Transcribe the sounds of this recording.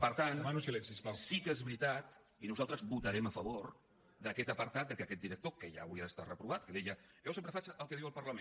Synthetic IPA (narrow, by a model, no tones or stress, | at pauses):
pəɾt̪anmanusilɛnsisasikezβɾit̪at̪ | inuzalˠt̪ɾəzbut̪əɾɛməfəβoɾ | d̪əkɛt̪əpəɾt̪at̪̚d̪əkəkɛt̪̚d̪iɾək̚t̪okəʒa̰əwɾiəðəst̪arəpɾuβat̪̚kəðɛjəʒɛwsempɾəfat͡ʃəʔəlˠkəðiwəlˠpərləmẽn